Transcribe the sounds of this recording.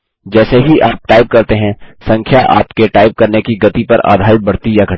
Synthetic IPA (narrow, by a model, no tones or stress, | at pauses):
d͡ʒɛːseɦiʔaːp̚ʈaːɪb̚kɐɾt̪eɦɛ̃sɐ̃ŋkʰjaʔa̰ːpkeʈaːɪb̚kɐɾnekiɡɐt̪ipɐɾa̰ːd̪ʱaːɾɪt̪̚bɐɽ̤t̪ijaɡʱɐ